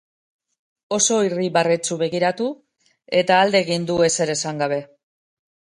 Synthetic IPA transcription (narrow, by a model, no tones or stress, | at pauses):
o̞so̞iriβaret͡suβe̞ɣiɾat̪u | e̞t̪aːld̪e̞ːɣind̪ue̞se̞ɾe̞saŋɡaβ̞e̞